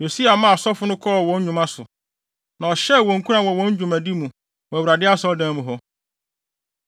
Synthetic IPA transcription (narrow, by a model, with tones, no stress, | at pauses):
jo˨si˦a˨mã˦˨sɔ˦fʊ˦nʊ̃˦kʰɔ˦˨wɔ̃˨˦n˦ɲũ˨mã˦sʊ˨ | nã˨ɔ˨ɕɛ˦˨wɔ̃˨ŋ̩˨kʰu˦ɾã˨wɔ˨wɔ̃˦n˦d͡ʑᶣũ˨mæ˨di˦mũ˨ | wɔ˨wɾa˨dɪ˦a˦sʊ˦ɔ˦dãː˦mũ˨ɦɔ˦